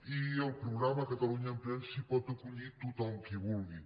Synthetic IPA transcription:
iəlˠpɾuɣɾamakət̪aluɲampɾɛnsipɔt̪əkuʎit̪ut̪ɔŋkiβulɣi

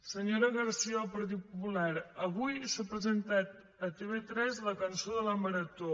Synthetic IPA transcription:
səɲoɾəɣəɾsiəːlˠpəɾt̪̬it̪̚pupulaɾəβujsapɾəzənt̪at̪ | ət̪eβ̞et̪ɾɛzləkənsoðələmpəɾət̪o

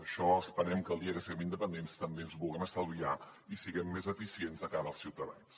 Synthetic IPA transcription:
əʃɔəspəɾɛmkəlˠd̪iəɣəsiɣɛmind̪əpənd̪enst̪əmbeənzβulˠɣɛməst̪əlˠβia | isiɣɛmːezəfisienzəkaɾəlˠsiwt̪əða̰ns

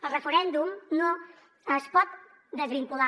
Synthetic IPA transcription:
əlˠrəfəɾɛnd̪umno | əspɔt̪̚ | d̪əzβiŋkula

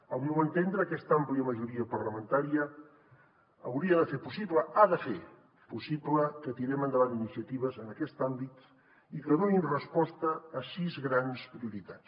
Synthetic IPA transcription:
awnoənt̪end̪ɾəːkɛst̪ampliəməʒuɾiəpəɾləmənt̪aɾiə | wɾiəðəfeɾpusipləaðəfe | pusipləkət̪iɾɛmənd̪əβaninisjət̪iβəzənəkɛst̪ambit̪ | ikəðoinrəspɔst̪əːsizɣɾanspɾiuɾit̪ats

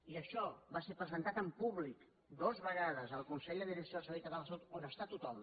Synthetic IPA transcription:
iəʃɔβaseɾpɾəzənt̪at̪əmpuβlik | d̪ozβəɣaðəzəlˠkunsɛʎd̪əðiɾəksioðlˠsəβejt̪əβaləsot̪onəst̪at̪ut̪ɔm

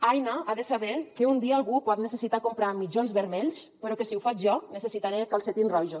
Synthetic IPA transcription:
ajnaaðəsaβɛkeund̪iaːlˠɣupɔt̪nesesit̪akompɾamid͡ʒonzβəɾmeʎspəɾɔkesiufat͡ʃʒɔnesesit̪aɾekalˠset̪inrɔʒo

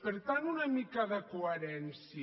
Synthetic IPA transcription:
peɾt̪anunɐmikaðɐkoeɾɛnsj

